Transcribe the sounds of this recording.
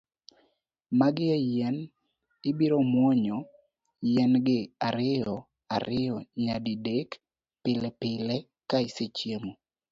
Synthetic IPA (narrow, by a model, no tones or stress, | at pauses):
maɡɪɛjɛn | ɪbiɾomwɔɲɔ | jɛnɡɪaɾɪjɔ | a̰ɾʔɪjɔɲadidek | pɪlɛpɪlɛ | kaɪset͡ʃjemo